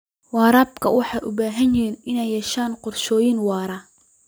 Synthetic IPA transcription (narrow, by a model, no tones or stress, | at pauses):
wɑːɾaːbkʰɐ̰wɑħɑjʔʊbaːɦɐnjɪɦiːnɪnɛjːɛʃaːnqʊrʃɔːjɪnwɑːɾaː